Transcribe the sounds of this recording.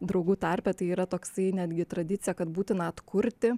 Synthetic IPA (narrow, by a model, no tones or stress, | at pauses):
d̪ɾɐʊɡuːt̪ɑɾʲpʲɛt̪ɐɪiːɾɐt̪oːksɐɪnʲæːd̪ʲɡʲɪt̪ɾɐd̪ʲɪt̪sʲɪjɛkɐt̪buːt̪ʲɪnɐɐt̪kʊɾʲt̪ʲɪ